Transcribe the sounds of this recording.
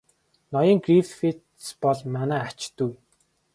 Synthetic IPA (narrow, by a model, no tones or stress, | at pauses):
nɔjɞ̆ːŋɡriffit̪ | spɔɮmanæːat͡ɕt̪uj